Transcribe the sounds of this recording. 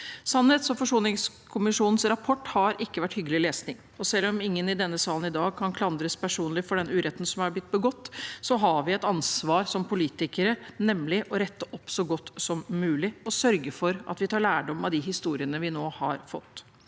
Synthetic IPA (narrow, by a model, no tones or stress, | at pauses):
sɑnhɛːt̪sɔfɔʂuːlnɪŋs | kʰʊmɪʂuːnn̩sɾɑpʰɔʈːhɑɾʔɪkːəʋæʈːhʏɡːəlɪleːsnɪŋ | ɔsɛlːɔmɪŋːənɪd̪ɛnːəsɑːlənɪd̪ɑːɡ̚kʰɑnkʰlɑnd̪ɾəspʰæʂuːnlɪfɔɖɛnʉːɾɛt̪ːnsɔmæblɪt̪̚ːbəɡɔt̪ːsɔɦɑʋɪɛt̪ɑnsʋɑːɾsɔmpʰʊliːt̪ɪkəɾənɛmlɪʔɔɾɛt̪ːəʔɔpːsɔɡɔt̪ːsɔmːʉːlɪɔsœɾɡəfɔɾʔɑ̰t̪ʋɪt̪ʰɑːɭæːɖɔmːɑd̪ɪɦɪst̪uːɾɪənəʋɪnoːhɑ̰ɾfɔt̪ː